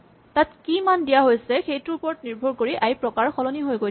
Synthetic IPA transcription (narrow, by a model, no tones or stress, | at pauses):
tatkimandijaɦojsɛxejtupɔɹɔtniɹbʱɔɹkoɹiʔajpɹɔkaɹxɔlɔniɦojɡo